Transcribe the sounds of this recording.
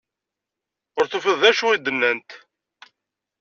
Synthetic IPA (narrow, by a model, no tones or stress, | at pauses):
ʊɾθofəðæʃuid̪ːənːænt̪